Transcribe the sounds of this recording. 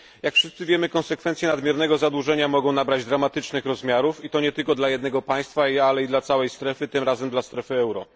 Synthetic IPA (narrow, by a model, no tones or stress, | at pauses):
jakfʂɘst̪sɘvʲjɛmɘkɔ̃nsɛkfɛnsʲjɛnad̪mʲjɛɾnɛɡɔzad̪wuʐɛɲamɔɡɔ̃w̃nabɾad͡ʑd̪ɾamat̪ɘt͡ʂnɘxɾɔzmʲjaɾufit̪ɔɲɛt̪ɘlkɔd̪lajɛd̪nɛɡɔpaj̃st̪faalɛid̪lat̪sawɛjst̪ɾɛfɘt̪ɘmɾazɛmd̪last̪ɾɛfɘɛwɾɔ̰